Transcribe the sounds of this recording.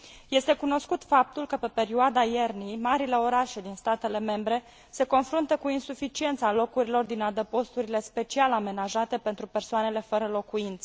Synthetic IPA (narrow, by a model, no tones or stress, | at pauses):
je̞st̪e̞kuno̞skut̪fap̚t̪ulkəpe̞pe̞ɾiuad̪ajernijmaɾile̞o̞ɾaʃed̪inst̪at̪e̞le̞me̞mbɾe̞ | se̞ko̞nfɾunt̪əkuinsufit͡ʃie̞nt̪salo̞kuɾilo̞rd̪inad̪əpo̞st̪uɾile̞spe̞t͡ʃialame̞naʒat̪e̞pe̞nt̪ɾupe̞rsoane̞le̞fəɾəlo̞kuint̪sə